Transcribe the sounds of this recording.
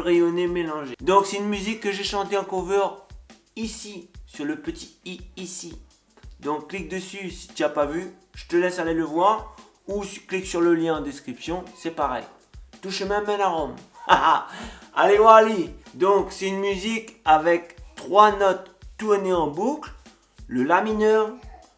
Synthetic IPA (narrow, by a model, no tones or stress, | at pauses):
ʁɛjɔnemelɑ̃ʒed̪ɔ̃ksɛt̪ynmyzikːəʒeʃɑ̃t̪eɑ̃kovœʁ | isisyʁləpət̪i̥iːsi | d̪ɔ̃kːlik̚d̪əsysi̥t̪yapavyʒ̥ət̪əlɛsaleləvwaːʁ | uskliksyʁləljɛ̃ɑ̃d̪eskχipsjɔ̃sɛpaʁɛ̰j | t̪uʃəmɛ̃mɛ̃naʁɔm | a̰levwaʁlid̪ɔ̃ksɛynmyzikavɛkt̪ːχwanɔt̪ːuʁneɑ̃bukl | ləlaminœʁ